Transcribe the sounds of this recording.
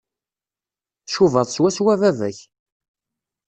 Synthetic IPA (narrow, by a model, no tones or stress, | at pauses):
θʃuvəðˤswæswævævæ̰ç